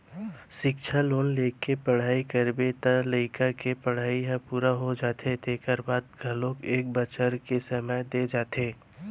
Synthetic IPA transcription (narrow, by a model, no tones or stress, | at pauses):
ʃɪkʃʰaloːnleːkepɐɽ̤aːikəɾbet̪aləɪkakepɐɽ̤aːiɦãpuːɾaɦod͡ʒaːt̪ʰet̪ʰekəɾbaːd̪̚ɡʱɐlõkeːk̚bət͡ʃəɾkesɐməjd̪ed͡ʒaːt̪ʰeː